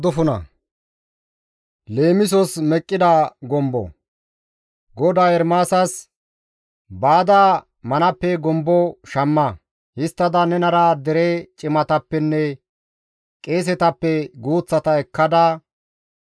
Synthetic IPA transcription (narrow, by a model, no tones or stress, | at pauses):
d̪ɔfʊnɐ̰ | le̞ːmɪs̬ɔsmɛkʼːɪd̪aːɡɔmbɔ̰ | ɡɔd̪aːɛɾmaːsɐs | baːd̪aː | mɐnɐpːɛɡɔmbɔʃɐmːɐ | hɪst̪ːɐd̪ɐnɛnɐɾaːd̪ɛɾet͡ʃʼɪmɐt̪ɐpːɛnːɛ | kʼe̞ːs̬ɛt̪ɐpːɛɡuːt͡sːɐt̪ɐɛkːɐd̪a